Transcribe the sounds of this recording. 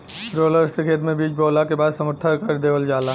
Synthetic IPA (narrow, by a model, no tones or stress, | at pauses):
ɾoːləɾsekʰeːt̪mẽbiːt͡ʃboːlakebaːd̪sɐmʊt̪ʰːəɾkɐɾd̪eːʋəld͡ʒaːla